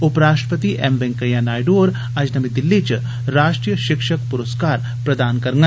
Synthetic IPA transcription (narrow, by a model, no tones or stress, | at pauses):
upɾaːsʃʈɾəpɐt̪iʔɛmbɛ̃ŋkɐjãːnaːjɖoːɾ | ɐd͡ʒnɐmid̪ilːit͡ʃ | ɾaːʃʈɾijəʃɪkʂəkpuɾəskaːɾ | pɾɐd̪aːnkɐɾŋɡɐ